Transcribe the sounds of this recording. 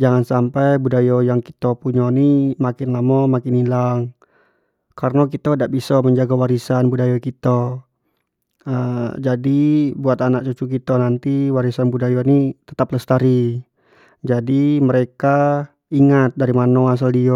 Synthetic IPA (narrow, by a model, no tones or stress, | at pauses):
d͡ʒaŋansampajbudajojaŋki̥t̪opuɲonimakɪnlamɔmakɪnilaŋ | karnakit̪adaʔbisɔməɲd͡ʒaɡawaɾisanbudajokit̪ɔ | əd͡ʒadibuat̪anak̚t͡ʃut͡ʃuk̬it̪onant̪iwaɾisanbudajonit̪ə̥t̪apləst̪aɾi | d͡ʒadiməɾeka | iŋat̪̚daɾimanoas̬aldiɔ